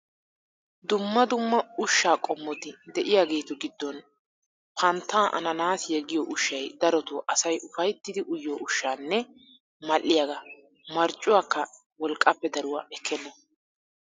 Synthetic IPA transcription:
d̪ʊmːɐd̪ʊmːɐʊʃːaːkʼɔmːɔt̪ɪd̪ɛʔɪjaːɡe̞ːt̪ɔɡɪd̪ːɔn | pʰɐnt̪ːaːʔɐ̰nɐnaːsjɛɡɪjɔʔʊʃːɐjd̪ɐɾɔt̪ʊʔɐsɐjʔʊfɐjt̪ːɪd̪ɪʔʊjːoːʊʃːaːnːɛ | mɐlʔːɪjaɡɐ | mɐɾt͡ʃʼːʊwaːkːɐ | wɔlkʼːɐpːɛd̪ɐɾʊwa̰ːʔɛkʰːɛnːɔ

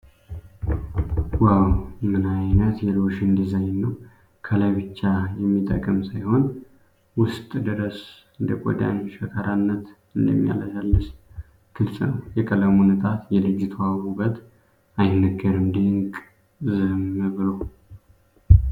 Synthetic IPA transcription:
wawmɨnajnət̪jɛloʃɨnd̪izaɲnːəw | kʰəlajβɨt͡ʃːajɛmːit̪ʼəkʼɨmsajho̞n | wʊst̪ʼd̪ɨɾəs | ɨnd̪əkʼo̰d̪a̰ɲʃəkʰaɾanːət̪ | ɨnd̪ə̰mːija̰ləd͡ʒalːɨʃ | ɡ̥ʰɨlsʼnəwjɛkʼələmunɨt̪ʰʼat̪jɛlɨd͡ʒːt̪ʰəwawubət̪ | ajnəɡəɾɨmd̪eŋkʼ | zəmɨβɨləw

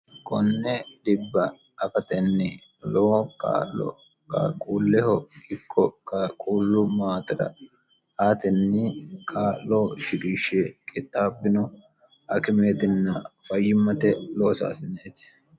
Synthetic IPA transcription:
kʼɔnːɛd̪ɪbːɐ | ɐfɐt̪ɛnːɪ | loːka̰ːlɔ̰ | kɐ̰kʼuːlːɛhɔɪkʰːɔkʼːɐkʼuːlːʊmaːt̪ɪɾɐ̰ | aːt̪ɛnːɪkʰʼaːlloːʃɪɡiːʃekʼɪt̪ʼːaːbːɪnɔ | ɐkɪme̞ːt̪ɪnːɐfɐjːɪmːɐt̪ɛlo̞ːsa̰ːsɪneːt̪

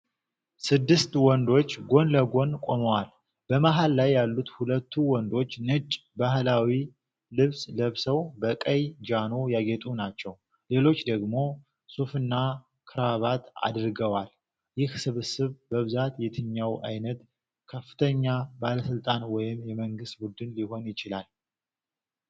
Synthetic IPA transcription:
sɨd̪ːɨst̪wɔnd̪o̞t͡ʃːɡo̞nləɡo̞nkʼo̞məwal | b̥əmaɦalːajːalːut̪hulət̪ʰːuwɔnd̪o̞t͡ʃːnɨt͡ʃʼbaɦlawi | lɨβsləβsəwbəkʼəjd͡ʒano̞jaɡet̪ʼunat͡ʃːɛw | le̞lo̞t͡ʃːd̪əɡmo̞ | sufɨnːa | kʰɨɾaβat̪a̰d̪ɾɡəwal | jɪhsɨβɨsɨβbəβɨzat̪jɛt̪ʰɨɲːawa̰jnət̪ | kʰəfːɨ̥t̪ʰəɲːabaləsɨlt̪ʼanwɔjɪmjɛməŋɡɨst̪̚bud̪ɨnliho̞njɪt͡ʃɪlal

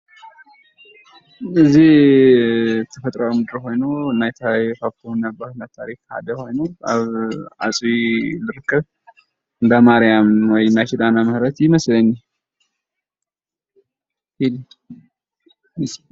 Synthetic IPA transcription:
ɨzːih | t̪ʰəfət̪ʼɾəwmɨd̪ɨɾɦo̞jnəwɨnːajɛt̪ʰajfafunːəbːəhunat̪ʰːaɾikha̰d̪əho̞jnəwa̰βa̰sʼwilɨɾɨkʰːɨβ | ɨnd̪əmaɾijamwɔjɨnːat͡ʃid̪anaməhɾət̪jɪməsləɲːa | hid̪

